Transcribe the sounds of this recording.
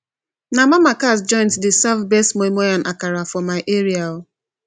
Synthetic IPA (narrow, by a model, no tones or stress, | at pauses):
namamakasd͡ʒɔ̃ɪ̃nsdɪsavbestmomojanʔakaɾafɔmaɪʔeɾiaʊ